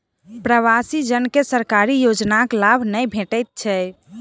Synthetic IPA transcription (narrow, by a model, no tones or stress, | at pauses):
pɾəʋasid͡ʒənkesəɾkaɾijod͡ʒnaklabʱnəjbʱeʈəjt̪̚t͡ʃʰɛ